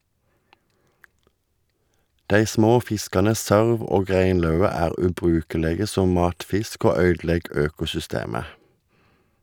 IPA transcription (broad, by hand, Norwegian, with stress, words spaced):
ˈdæɪ ˈsmoː ˈfɪskɑnə ˈsøːʁʋ ˈoːɡ ˈʁeɪnˌlœʉə ˈæːʁ ˌʉːˈbʁʉːkəˌleːɡə ˈsɔm ˈmɑːtˌfɪsk ˈoː ˈœʏdˌlɛɡ ˈøːkʊsʏˌsteːmə